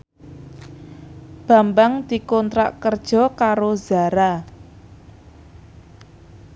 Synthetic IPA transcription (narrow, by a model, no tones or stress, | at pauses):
b̥a̤mbaŋd̪̥i̤kɔnt̪ɾa̰ʔkərd̥ʒ̥ɔ̤kaɾoza̤ɾa